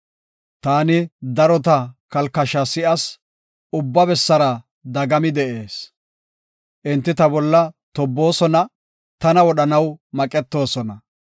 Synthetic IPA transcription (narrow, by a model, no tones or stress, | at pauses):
t̪aːnɪd̪ɐɾɔt̪ɐkɐlkːɐʃɐsɪʔɐs | ʊbːɐbɛsːɐɾɐ | d̪ɐɡɐmɪd̪ɛʔe̞ːs | ʔɪnt̪ːɪt̪ɐbɔlːɐt̪ɔbːo̞ːsɔnɐ | t̪ɐnɐwɔɗɐnɐwmɐkʼɛt̪ːo̞ːsɔnɐ